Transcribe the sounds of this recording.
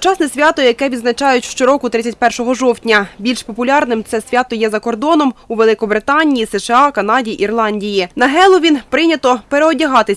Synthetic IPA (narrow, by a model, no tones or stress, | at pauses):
t͡ʃɑsnɛsʲʋʲat̪ɔjjɐkɛʋʲid̪znɐt͡ʃɑjʊtʲʃt͡ʃɔɾɔkʊt̪ɾɪt͡sʲːɐtʲpɛrʃɔɦɔʒɔwtʲnʲɐbʲilʲʃpɔpʊlʲɑrnɪmt̪sɛsʲʋʲɑt̪ɔjɛzɐkɔrd̪ɔnɔmuʋelˠɪkɔbɾɪt̪ɑnʲijisɛʃeɑkɐnɑdʲiʔirlˠɑnʲdʲijinɐɦɛlˠɔʋʲinpɾɪnʲɐt̪ɔpeɾeɔdʲiɦɑt̪ɪsʲ